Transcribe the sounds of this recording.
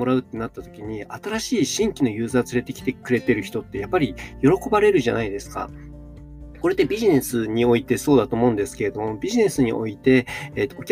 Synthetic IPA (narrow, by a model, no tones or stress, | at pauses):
o̞ɾaɯ̟t̪ːe̞nat̪ːat̪o̞̥kʲiɲ̟iat̪aɾaɕiːɕĩŋkʲino̞jɯ̟ːzaːt͡sɨɾe̞t̪e̞kʲi̥t̪e̞kɯ̟ɾe̞t̪e̞ɾɯ̟çi̥t̪o̞t̪ːe̞japːaɾʲijo̞ɾo̞ko̞baɾe̞ɾɯ̟ʑanaid̪e̞sɨ̥ka̰ | ko̞ɾe̞t̪ːebʲiʑine̞sɨɲ̟io̞it̪e̞so̞ːd̪at̪o̞ːmo̞ɯ̟̃nd̪e̞sɨ̥ke̞ɾe̞d̪o̞mo̞bʲiʑine̞sɨɲ̟ḭʔo̞̰it̪e̞ːt̪ːoːkʲ